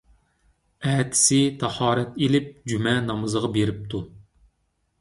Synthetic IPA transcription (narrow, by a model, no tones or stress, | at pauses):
ɛt̪ʰɪ̥sɪt̪ʰɑhɑːɾɛt̪elɪp̚d͡ʒymɛnɑmɨzəʁɑbeɾɪp̚t̪ʰu